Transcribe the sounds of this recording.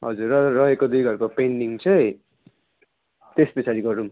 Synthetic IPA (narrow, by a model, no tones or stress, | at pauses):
ɦʌd͡zurʌrʌɦekod̪ujɡʱʌrkopeɳɖiŋt͡sʰʌj | t̪esbesʰaɾiɡʌɾum